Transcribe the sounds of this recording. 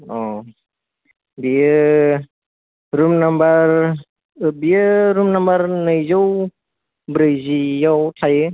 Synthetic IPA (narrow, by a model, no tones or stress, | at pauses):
ɔ | bijɯ | ɾumnambaɾ | bijɯɾumnambaɾnɯjzaw | bɾɯjzijawtʰajɯ